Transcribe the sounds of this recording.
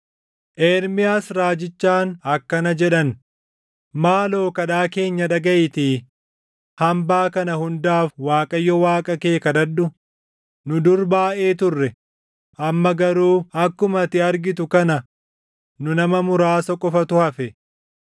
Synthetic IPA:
ʔeːɾmɪjaːsɾaːd͡ʒɪt͡ʃːaːnɐkːɐnɐd͡ʒɛᶑɐn | maːlo̞ːkɐᶑaːke̞ːɲːɐᶑɐɡɐʔɪt̪iː | hɐmbaːkɐnɐhʊnd̪aːfwaːkʼɐjːɔwaːkʼɐkeːkɐd̪ɐdːʊ | nʊd̪ʊɾbaːʔe̞ːt̪ʊrːɛ | ʔɐmːɐɡɐɾuːɐkːʊmɐt̪ɪɐɾɡɪt̪ʊkɐnɐ | nʊnɐmɐmʊɾaːsɔkʼɔfɐt̪ʊhɐfɛ

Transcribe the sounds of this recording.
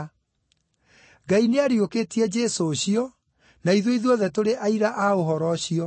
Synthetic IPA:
ɡaineaɾjokeːtiɛd͡ʒesoːɕiɔ | naiðoiðwɔðɛtoɾeʔaiɾaʔaoɦɔɾɔɕiɔ

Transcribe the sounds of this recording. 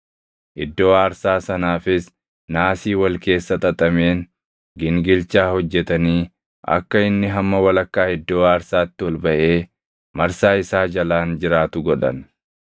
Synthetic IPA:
ʔɪd̪ːo̞ːaːɾsaːsɐnaːfɪs | naːsiːwɐlke̞ːsːɐt̪ʼɐt̪ʼɐme̞ːn | ɡɪŋɡɪlt͡ʃaːhɔd͡ʒːɛt̪ɐniː | ʔɐ̰kːɐɪnːɪɦɐmːɐwɐlɐkːaːhɪd̪ːo̞ːaːɾsaːt̪ːɪwɔlbɐʔe̞ː | mɐɾsaːɪsaːd͡ʒɐlaːnd͡ʒɪɾaːt̪ʊɡɔᶑɐ̰n

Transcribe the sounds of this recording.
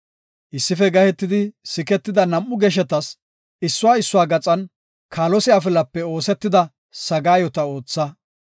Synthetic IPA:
ʔɪsːɪfɛɡɐhɛt̪ːɪd̪ɪsɪkɛt̪ːɪd̪ɐnɐmʔːʊɡɛʃ̬ɛt̪ɐs | ɪsːʊwaːɪsːʊwaːɡɐt͡sʼɐn | kʰaːlɔsɪafɪlɐpːɛo̞ːsɛt̪ːɪd̪ɐ | sɐɡaːjɔt̪ɐo̞ːt͡sːɐ

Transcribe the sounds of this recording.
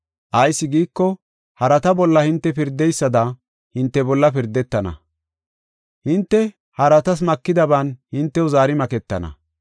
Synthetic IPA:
ʔɐjsːɪɡiːkːɔ | hɐɾɐt̪ɐbɔlːɐhɪnt̪ːɛpɪɾd̪ːɛjsːɐd̪ɐ | hɪnt̪ːɛbɔlːɐpɪɾd̪ːɛt̪ːɐnɐ̰ | hɪnt̪ːɛ | hɐɾɐt̪ɐs̬mɐkːɪd̪ɐbaːnhɪnt̪ːɛʊzaːɾɪmɐkɛt̪ːɐ̰nɐ̰

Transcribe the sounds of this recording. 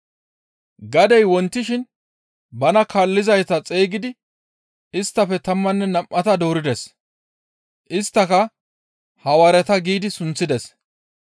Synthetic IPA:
ɡɐd̪ɛjwɔnt̪ːɪʃɪn | bɐnɐkalːɪzɐjt̪ɐt͡sʼeːɡɪd̪ɪ | ɪst̪ːɐfɛt̪ɐmːɐnːɛnɐmʔːɐt̪ɐd̪oːɾɪd̪ɛs | ʔɪst̪ːɐkɐ | hɐwɐɾɛt̪ɐɡiːd̪ɪsʊnt͡sːɪd̪ɛs

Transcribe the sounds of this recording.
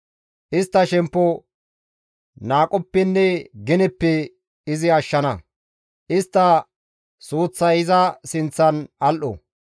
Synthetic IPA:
ʔɪst̪ːɐʃɛmpːɔ | naːkʼɔpːɛnːɛɡɪnɛpːɛ | ɪzɪɐʃːɐnɐ | ʔɪst̪ːɐ | suːt͡sːɐjɪzɐsɪnt͡sːɐnɐlʔɔ̰

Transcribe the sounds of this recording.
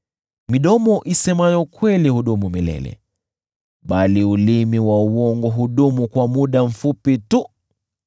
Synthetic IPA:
miɗɔmɔʔisɛmajɔkwɛlihuɗumumilɛ̰lɛ̰ | ɓaliulimiwauwɔŋɡɔɦuɗumukwamuɗam̩fupitu

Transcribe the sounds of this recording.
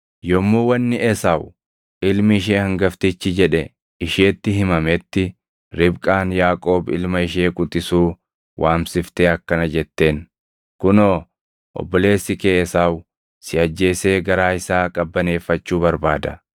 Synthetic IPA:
jɔmːuːwɐnːɪʔɛsaːw | ɪlmɪɪʃ̬eːhɐŋɡɐft̪ɪt͡ʃːɪd͡ʒɛᶑɛ | ɪʃeːt̪ːɪɦɪmɐmɛt̪ːɪ | ɾɪbkʼaːnjaːkʼo̞ːbɪ̰lmɐɪʃ̬e̞ːkʼʊt̪ʼːɪsuː | wʔaːmsɪft̪eːɐkːɐnɐd͡ʒɛt̪ːe̞ːn | kʊnoː | ʔɔ̰bːɔle̞ːsːɪkeːɛsaːw | sɪɐd͡ʒːe̞ːse̞ːɡɐɾaːɪsaːkʼɐbːɐne̞ːfːɐt͡ʃːuːbɐɾbaːd̪ɐ

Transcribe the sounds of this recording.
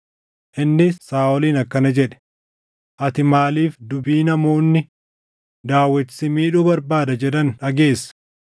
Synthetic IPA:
ʔɪnːɪsaːɔliːnɐkːɐnɐd͡ʒɛᶑɛ̥ | ʔɐt̪ɪmaːliːfd̪ʊbiːnɐmo̞ːnːɪ | d̪aːwːɐt͡ʃːɪ̥sɪmiːᶑuːbɐɾbaːd̪ɐd͡ʒɛᶑɐnᶑɐɡe̞ːsːɐ̥

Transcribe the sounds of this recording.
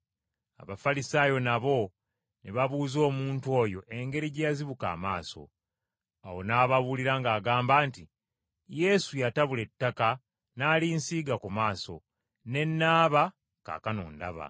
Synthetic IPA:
a̰βafalisaːjo̞naβo̞ | neβaβuːzo̞ːmuːntuwo̞ːjo̞ʔe̞ŋɡe̞ɾiɟjaziβuka̰ːmaːso̞̰ | awo̞naːβaβuliɾaŋɡaːɡaːmbaːnti | je̞sujataβule̞tːaka | naːlinsiːɡakumaːso̰ | ne̞nːaːβa | ka̰kano̰ːnda̰βa̰

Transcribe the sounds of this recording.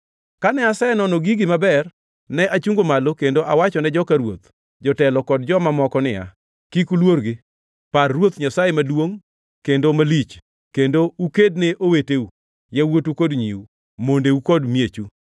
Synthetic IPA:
kanɛasaenɔnoɡiɡɪmabɛr | nɛʔat͡ʃuŋɡomalokendoʔawat͡ʃɔnɛd͡ʒɔkaɾwot̪ | d͡ʒɔtɛlɔkɔd̚d͡ʒɔmamɔkɔnɪja̰ | kikulwoɾɡɪ | parːwot̪ɲasajemadwoŋ | kendomalit͡ʃ | kendouked̚neʔoweteu | jawotukodɲḭu | mondeukodmjet͡ʃu

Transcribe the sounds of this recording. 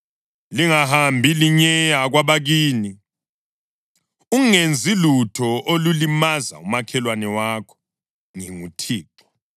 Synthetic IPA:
liŋahambʱiliɲɛjaɣwaβaɣiːni | uŋend͡zʱilutʰɔʔolulimaza̰umakʰɛlwanɛwakʰɔ̥ | ŋiŋutʰiːǁɔ̥

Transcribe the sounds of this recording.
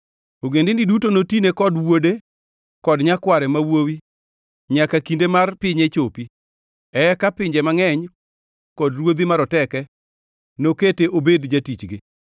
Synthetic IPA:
oɡendɪndidutonotinekɔdwode | kɔdɲakwaɾɛmawowi | ɲakakindemarpɪɲet͡ʃopi | ɛkapɪɲd͡ʒemaŋɛɲ | kɔdɾwod̪imaɾɔtɛkɛ | noketeʔobedd͡ʒatit͡ʃɡɪ

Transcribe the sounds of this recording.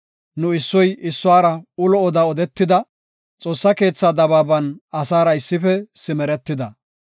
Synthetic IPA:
nʊɪsːɔjɪsːʊwaːɾɐʊlɔɔd̪aɔd̪ɛt̪ːɪd̪ɐ | t͡sʼo̞ːsːɐke̞ːt͡sːaːd̪ɐbaːbɐnɐsaːɾɐɪsːɪfɛsɪmɛɾɛt̪ːɪd̪ɐ

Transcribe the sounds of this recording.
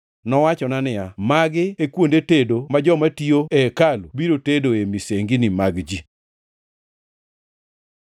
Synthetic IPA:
nɔwat͡ʃɔnanɪjamaɡɪekwondetedomad͡ʒɔmatioekalubiɾotedoemiseŋɡinimaɡd͡ʒi

